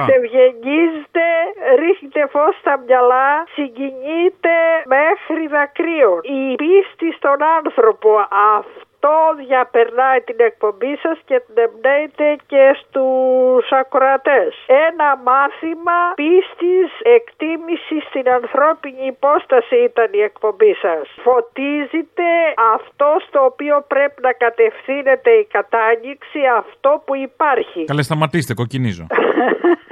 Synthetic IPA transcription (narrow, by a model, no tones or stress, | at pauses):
t̪evʝeɲizit̪e̞ɾixɲit̪e̞fost̪ɐmɲɐlɐsiɲɟiɲit̪e̞mexɾiðɐkɾionipist̪ist̪o̞nɐnθɾo̞po̞ɐft̪o̞ðʝɐpe̞ɾnɐjt̪ine̞k̚po̞mbisɐscet̪nemnejt̪e̞ce̞st̪usɐkɾɐt̪e̞senɐmɐθimɐpist̪ise̞kt̪imisist̪inɐnθɾo̞piɲiːpo̞st̪ɐsiit̪ɐnie̞kpo̞mbisɐsfo̞t̪izit̪e̞ɐft̪o̞st̪o̞ːpio̞pɾe̞pinɐkɐt̪e̞fθine̞t̪e̞ikɐt̪ɐɲiksiɐft̪o̞puipɐɾçikɐlest̪ɐmɐt̪ist̪eko̞cinizo̰